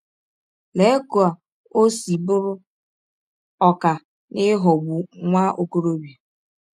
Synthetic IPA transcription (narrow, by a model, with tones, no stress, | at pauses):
le˨e˦ku˨a˨ | o˦si˨bʊ˦ɾʊ˦ | ɔ˦ka˨ | nɪ˦ɦɔ˨bu˨ŋʷa˦ʔo˦ko˦ɾo˦ba˨